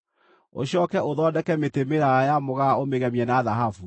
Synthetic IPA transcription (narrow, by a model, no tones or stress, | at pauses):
o̰ɕjɔːkɛʔoðɔdɛkɛmetemeɾajamoɣaomeɣɛmiɛnaðaɦafu